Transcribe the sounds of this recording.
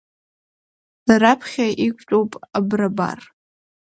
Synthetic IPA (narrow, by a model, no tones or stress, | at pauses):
laɾapʰχʲaʔikʷʰʼt͡ʃʷʼowpʼabraba̰r